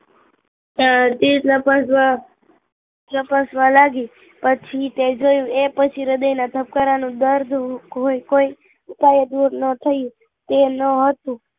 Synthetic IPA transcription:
t̪iləpəsʋa | ləpəsʋalaɡi | pət͡ʃʰit̪ed͡ʒojũepət͡ʃʰiɾəd̪əjnat̪ʰəp̚kəɾanũd̪əɾd̪ʱɦoikoi | ut̪ajed̪uɾnət̪ʰəju | t̪enəɦət̪ũ

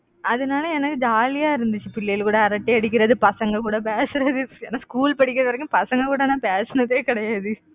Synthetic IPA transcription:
ɐðɯnaːlɐɛnɐkːɯd͡ʒaːlɪjaːɪɾɯnd̪ɯt͡ʃːɯpɪɭːejɪlkuːɽɐːɾɐʈːiɐɽɪk̬ʲːɪɾɐðɯpɐsɐŋɡɐkuːɽɐp̬eːsɪɾɐðɯḛːnaːskuːlpɐɽɪkːɪɾɐʋɐɾɐkːʊ̃mpɐsɐŋɡɐkuːɽɐnãːpeːsɐnɐt̪ːeːkɪɽɐjaːðɯ

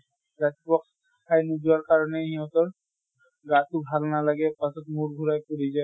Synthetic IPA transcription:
ɾat̪ibɔks | kʰajnud͡ʒaɹkaɹɔneɦiɔt̪ɔɹ | ɡat̪ubʱalnalaɡɛpasɔt̪muɾɡʱuɾajpuɾid͡ʒaj

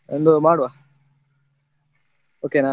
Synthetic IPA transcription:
end̪omaːɽoaː | oːkeːnaː

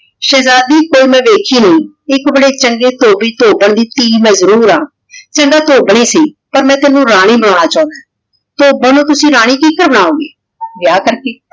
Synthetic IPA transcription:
ʃɛːzaːd̪iːkoːiːmɛ̃ːʋeːkʰiːnəĩː | ɪkbəɽeːt͡ʃəŋɡeːt̪oːbiːt̪oːbəɳd̪iːt̪iːmɛ̃ːzəɾuːɾaː | t͡ʃəŋɡaːt̪oːbɳeːsiː | pəɾmɛ̃ːt̪ɛːnũːɾaːɽ̃iːbəɽ̃ãːɽaːt͡ʃãːnd̪aː | t̪oːbãːnũːt̪ʊsĩːɾaːɽ̃iːkiːkəɾbəɽ̃aːõːɡeː | ʋjaːkəɾkeː

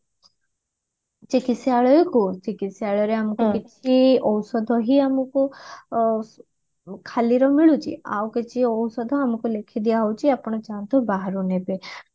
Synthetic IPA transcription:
t͡ʃikisiaɭɔjɔkut͡ʃikisiaɭɔɾeamɔkukit͡ʃʰiɔwsɔd̪ʱɔɦiamɔku | kʰaliɾɔmiɭut͡ʃʰḭa̰wket͡ʃʰiɔwsɔd̪ʱɔamɔkulekʰid̪ijaɦɔwt͡ʃʰiapɔɽ̃ɔt͡ʃant̪ɔbaɦaɾunebe

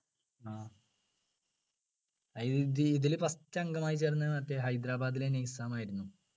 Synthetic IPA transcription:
aː | iððɨiðilpɐstːɐŋɡɐmaːjit͡ɕeːrnːɐmaːtːeɦɐjd̪ɾaːbaːd̪ilenejsaːmaːjiɾunːu

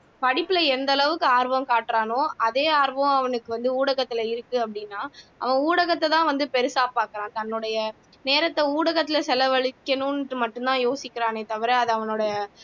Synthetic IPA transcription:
pɐɽɪpːɯlɐɛnd̪ɐlɐʋɯkːɯaːɾʋɐ̃mkaːʈːɾaːnõɐðeːaːɾʋɐ̃ɐʋɐnɯkːɯʋɐnd̪ɯuːɽɐɣɐt̪ːɪlɐɪɾɯkːɯɐpːɐɽɪnːaːʔɐ̰ʋɐ̃uːɽɐɣɐt̪ːɛt̪ãːʋɐnd̪ɯpɛɾɯsaːpːaːkɯɾãːt̪ɐnːʊɽɐjɐ | neːɾɐt̪ːɐuːɽɐɣɐt̪ːɪlɐsɛlɐʋɐɭɪkːɐnʊ̃nmɐʈːɯ̃nt̪ãːjoːsɪkːɪɾaːnet̪ɐʋɐɾɛɐðɯɐʋɐnoːɽɐjɐ

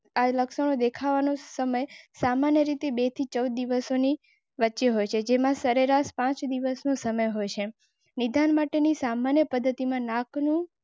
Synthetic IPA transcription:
aləkʃəɳ̃od̪ekʰaʋanosəməjsamanjəɾit̪ebet̪ʰit͡ʃəwd̪̚ːiʋəsoni | ʋətːʃeɦojt͡ʃʰed͡ʒemãsəɾeɾaʃpãt͡ʃd̪iʋəsnosəməjɦojt͡ʃʰe | nid̪ʱanmaʈenisamanjəpəd̪ʱːət̪imãnaknũ

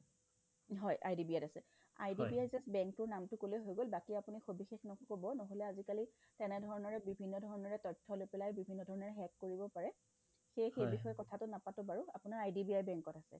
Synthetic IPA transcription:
ɦɔjʔa̰jdibiatasɛ | a̰jdibiajzɛsbɛŋk̚tʊɹnamtʊkoleɦojɡolbakiapunixobixexnɔkobɔnɔɦolɛazikali | tɛnɛdʱɔɹɔnɔɹɛbibʱinːɔdʱɔɹɔnɔɹɛtɔtʰːɔlopɛlajbibʱinːɔdʱɔɹɔnɔɹɛɦɛkːoɹibɔpaɹɛ | xejxejbixɔjɛkɔtʰatʊnapatʊbaɹuapʊnaɹajdibiajbɛŋkɔtasɛ̰

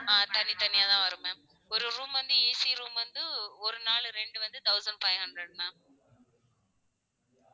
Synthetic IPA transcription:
aːt̪ɐnɪt̪ɐnɪjaːt̪ãːʋɐɾɯmẽː | ɔɾɯɾuːmʋɐnd̪ɯeːsiɾuːmʋɐnd̪ɯɔɾɯnaːɭɯɾɛɳɖɯʋɐnd̪ɯt̪ɐʊsɐɳɖfɐɪɦɐɳɖɾɐɽnãː

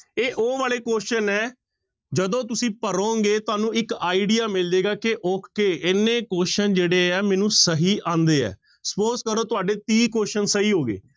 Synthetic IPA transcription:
eːʔoːʋaːleːkoːʃənɛː | d͡ʒəd̪õːt̪ʊsĩːpəɾõːɡeːt̪ʊaːnũːɪkaːiɖiːaːmɪld͡ʒ̪eːɡaːkɪʔoːkʰkeːʔɪnːẽːkoːʃənd͡ʒeːɽeːɛːmɛːnũːsəɦiːʔãːnd̪eːɛ̰ː | spoːskəɾõːt̪ʊaːɖeːt̪iːkoːʃənsəɦiːɦoːɡḛː

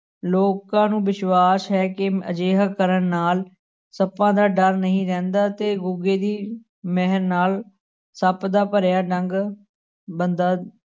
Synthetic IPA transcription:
loːkãːnũːʋɪʃwaːsɦɛːkɪəd͡ʒeːɦakəɾənnaːl | səpãːd̪aːɖəɾnəɦĩːɾɛ̃ːnd̪aːt̪eːɡʊɡeːd̪iː | mɛɦəɾnaːl | səpd̪aːpəɾjaːɖəŋɡ | bənd̪aː

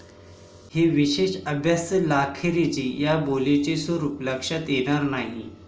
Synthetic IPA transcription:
heʋiɕeɕəbʱjast̪əlakʰeɾed͡ʑiːjabolet͡ɕesoɾupləkʂat̪jeɽ̃aɾnaɦi

